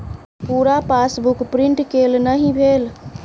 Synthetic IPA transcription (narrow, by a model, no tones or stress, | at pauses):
puɾapasbukpɾiɳʈkelnəɦĩbʱel